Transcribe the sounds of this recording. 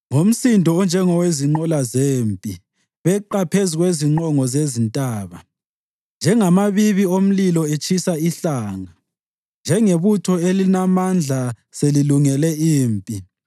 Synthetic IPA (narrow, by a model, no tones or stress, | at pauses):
ŋom̩sindʱɔɔnd͡ʒʱɛŋɔweziŋ͡ǃɔlazeːmpʼi | βɛǃapʰeziɣweziŋ͡ǃɔŋɔzezintʼaːβa | nd͡ʒʱɛŋamaβiβiom̩lilɔet͡ʃʼʰisaiɬaːŋa | nd͡ʒʱɛŋeβutʰɔelinamand͡ɮʱa | seliluŋɛlɛiːmpʼi